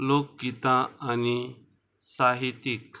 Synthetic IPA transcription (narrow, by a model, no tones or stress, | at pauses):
lok̚ɡit̪ãani | saɦit̪ik